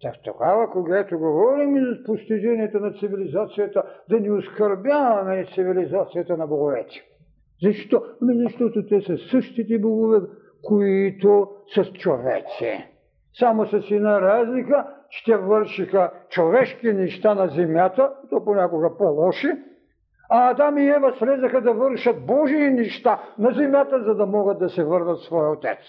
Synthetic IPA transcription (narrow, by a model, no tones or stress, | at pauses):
t̪akt̪o̰ɡavɐkoɡɛt̪oɡovɔɾimizɐpost̪iʒɛniɛt̪onɐt̪sivilizat̪sijɐt̪əd̪ɐnioskɐɾbʲjavɐmɛt̪sivilizat̪sijɐt̪ɐnɐboɡovɛt̪i̥ | zɐʃt̪ɔɐmizɐʃt̪ɔt̪ot̪ɛsɐsəʃt̪it̪ɛboɡovɛ | koit̪osɐst͡ʃovɛ̰t̪sḭ | samosɛsinaɾazlikɐt͡ʃɛ̥t̪ʲɛvəɾʃixat͡ʃovɛʃkinɛʃt̪anazɛmjat̪at̪oponʲakoɡɐpɔlˠɔʃi | at̪amiɛvasɾɛzaxad̪ɐvəɾʃɐt̪̚bɔʒiːnɛʃt̪anazɛmjat̪azad̪amɔɡɐd̪̚ːɐsɛvəɾnɐt̪svɔjot̪ɛt̪s